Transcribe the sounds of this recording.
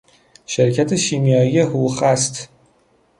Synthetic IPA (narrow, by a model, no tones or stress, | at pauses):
ʃeɾcʰæt̪ʰeʃiːmjɒːijeɦuxæst̪